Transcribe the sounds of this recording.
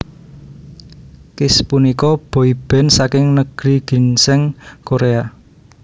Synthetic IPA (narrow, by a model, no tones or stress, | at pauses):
kɪspunikɔb̥o̤ib̥ɛ̤nsakɪŋnəɡ̥ɾiɡ̥i̤nsɛŋkoɾea